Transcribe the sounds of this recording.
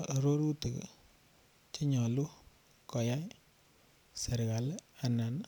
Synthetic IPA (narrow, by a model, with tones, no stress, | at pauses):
ɾo˦ɾu˦tə˨k | t͡ʃɪ˦ɲɔ˨lu˦ | kɔ˨ja˦j | sə˨ɾka˨la˨na˨n